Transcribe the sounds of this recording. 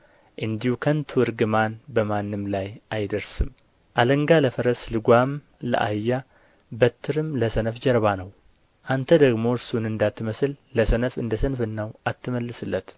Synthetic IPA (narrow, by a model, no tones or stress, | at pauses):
ʔɨnd̪ihukʰənt̪ʰɨwɨɾɡɨmanbəmanːɨmlajʔajd̪əɾsɨm | ʔaləŋɡaləfəɾəslɨɡʷam | lə̰ʔa̰jːa | bət̪ʰːɨɾɨmləsənəfd͡ʒəɾβanəw | ʔant̪ʰəd̪əɡmo̞ɾsunɨnd̪at̪ʰːɨməsɨlləsənəfɨ̰nd̪əsənfɨnːəwʔat̪ːɨməlːɨsɨlːət̪